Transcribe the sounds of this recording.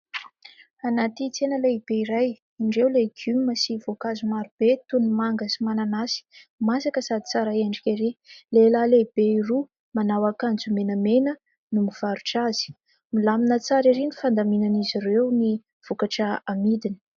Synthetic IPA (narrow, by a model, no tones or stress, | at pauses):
anat̪it͡senəleib̥eiɾaj | iɳɖ͡ʐewleɡyməsivokazumaɾub̥et̪unimaŋɡəsimananasi̥masakəsad̪i̥t͡saɾaeɳɖ͡ʐikʲeɾilelaleib̥eiru | manawakand͡zumenəmenə | numiv̥aɾuʈ͡ʂaz̥i̥ | milaminət͡saɾiɾinifand̪aminanizirewni | v̥ukaʈ͡ʂəamid̪ini̥